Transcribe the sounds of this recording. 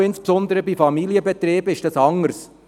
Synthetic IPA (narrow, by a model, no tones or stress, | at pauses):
ɪnspsɔnd̪əɾəbifɑmiljəbɛt̪ɾiːbɪʃd̥ɑsɑŋːəɾs